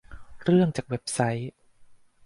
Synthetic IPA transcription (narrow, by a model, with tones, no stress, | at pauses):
ɾɯ˥˩əŋt͡ɕaː˨˩k̚we˦˥p̚sa˦˥j